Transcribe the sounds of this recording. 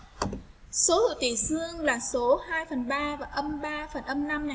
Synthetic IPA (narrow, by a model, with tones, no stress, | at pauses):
so˨˦hḭ˧˨wt̪i˨˩sɨ˧əŋlaː˨˩so˨˦haː˧jfə˨˩nɓaː˧vaː˨˩ʔə˧mɓaː˧fə˨˩nʔə˧mna˧mna˨˩j